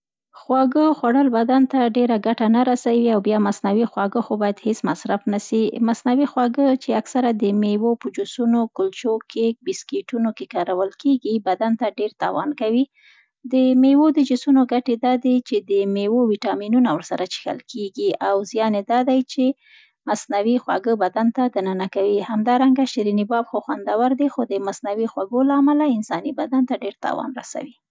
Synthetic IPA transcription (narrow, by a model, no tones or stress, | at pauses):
xwɑɡəxwaɽəlbad̪ant̪aɖeɾaɡaʈanaɾasawiawbjɑmasnawixwɑɡəxobɑjad̪hesmasɾafnasimasnawixwɑɡət͡ʃeaksaɾad̪əmewopəd͡ʒʊsunokʊlt͡ʃokʰebɪskeʈunokekɑɾawəlkeɡibad̪ant̪aɖeɾt̪ɑ̰wɑ̰nkawi | d̪əmewod̪əd͡ʒʊsunoɡaʈed̪ɑd̪et͡ʃed̪əmewowiʈɑminunawəɾsaɾat͡ʃi̥xa̰lkeɡiawzjɑned̪ɑd̪ajt͡ʃe | masnawixwa̰ɡəbad̪ant̪ad̪anənakawihamd̪ɑɾaŋɡaʃɾinibɑbxoxwand̪awaɾd̪exod̪əmasnawixwaɡolaːmalaɪnsɑnibad̪ant̪aɖeɾt̪ɑ̰wɑ̰nɾa̰sa̰wi